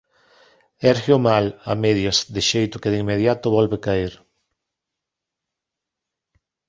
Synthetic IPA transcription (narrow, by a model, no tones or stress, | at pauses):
ɛɾxjomala̰meðjazd̪ɪʃejt̪ʊkɪðiŋmːeð̞jat̪ʊβɔlβekaiɾ